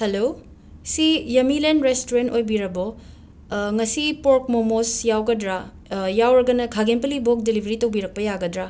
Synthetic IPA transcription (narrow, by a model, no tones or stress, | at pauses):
hɐlo | sijɐmilenɾestoɾentojbiɾɐbɔ | ŋɐsipoɾk̚momosjawɡɐdɾa | jawɾɐɡɐnɐkʰaɡenpɐlibok̚delibʱɾitɐwbiɾɐk̚pɐjaɡɐdɾa